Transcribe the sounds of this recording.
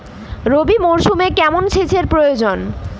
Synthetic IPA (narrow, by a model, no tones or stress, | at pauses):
ɾobimoɾʃumekɛmonʃʰet͡ɕʰeɾpɾojod͡ʑon